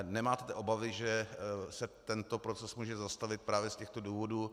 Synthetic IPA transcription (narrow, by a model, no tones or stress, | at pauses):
nɛmaːt̪ɛt̪ɛʔo̞bavɪʒɛsɛt̪ɛnt̪o̞pɾo̞t͡sɛsmuːʒɛzast̪avɪt̪̚pɾaːvjɛscɛxt̪o̞duːvo̞duː